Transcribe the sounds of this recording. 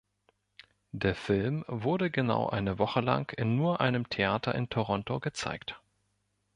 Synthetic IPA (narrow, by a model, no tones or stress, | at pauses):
d̥eːɐfɪlmvʊɐɾəɡəna̰ʊʔa̰ɪnəvɔχəla̰ŋkʰɪnːuːɐʔa̰ɪnəmtʰeʔaːtʰɐʔɪntʰoʁ̞ɔntoɡət͡sa̰ɪkt